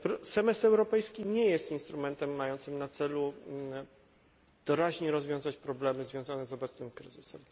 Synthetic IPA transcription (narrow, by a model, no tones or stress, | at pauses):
pɾɔsɛmɛst̪ɛwɾɔpɛjskʲiɲɛjɛst̪inst̪ɾumɛnt̪ɛmːajɔnt̪sɘmnat̪sɛlu | d̪̥ɔɾaʑɲɛɾɔzvʲɔ̃w̃zat͡ɕpɾɔblɛmɘzvʲjɔ̃w̃zanɛzɔbɛt̪snɘmkɾɘzɘsɛm